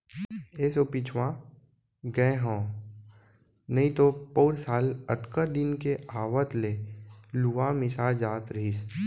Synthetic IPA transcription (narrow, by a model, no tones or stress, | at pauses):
eːsopit͡ʃʰwã | ɡə̃ɦõː | nɐɦĩt̪opoːɾsaːlət̪kəd̪ɪnkeaːʋət̪leluʋamɪsad͡ʒaːt̪ɾis